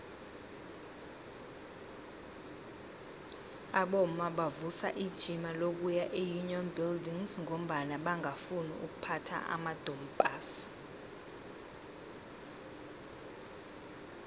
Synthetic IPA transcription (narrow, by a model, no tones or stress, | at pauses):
aɓɔmaɓavusa̰ʔid̥ʒ̥ʱimalok̬ujaʔejuniɔnbildiŋzŋom̩ɓanaɓaŋafunḭṵk̬upʰatʰa̰ʔa̰mad̥ʱɔmbʼas